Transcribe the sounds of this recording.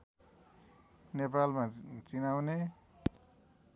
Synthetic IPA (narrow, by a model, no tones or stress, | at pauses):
nepalmat͡sinawne